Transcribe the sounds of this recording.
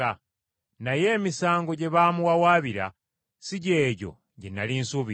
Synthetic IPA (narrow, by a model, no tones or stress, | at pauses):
a | naje̞ːmisaːŋɡo̞ɟe̞βamuwawaːβiɾa̰ | siɟe̞ːɟo̞̰ | ɟenalinsuβi